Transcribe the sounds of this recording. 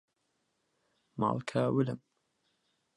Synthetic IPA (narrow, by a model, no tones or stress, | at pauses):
ma̰ːlkʰaːwɪlə̰m